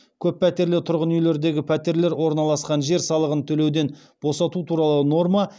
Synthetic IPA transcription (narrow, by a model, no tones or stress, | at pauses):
kʲʰɵpʰːæt̪e̞ɾlɪt̪ʰʊɾʁənʏjle̞ɾd̪e̞ɡʲɪpʰæt̪e̞ɾle̞ɾwo̞ɾnɑlˠɑsqɑnʒe̞ɾsɑlˠəʁənt̪ʰɵle̞wd̪e̞n | b̥o̞sɑt̪ut̪ʰuɾɑlˠəno̞rmɑ